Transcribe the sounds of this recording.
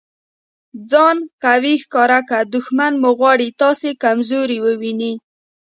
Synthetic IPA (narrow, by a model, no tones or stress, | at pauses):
d͡zɑnkawixkɑɾakad̪ʊxmanmoɣwɑɽit̪ɑsekamzoɾiwəwini